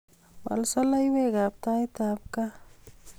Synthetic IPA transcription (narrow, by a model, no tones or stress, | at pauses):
ba̰lsɔlajweɡap̚t̪ajt̪ap̚ka